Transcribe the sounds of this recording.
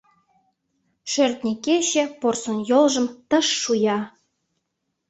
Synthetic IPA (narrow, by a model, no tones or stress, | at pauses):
ʃørt̪̚nʲikeɕĕporsonjolʒə̆mt̪ə̆ʃːujɑ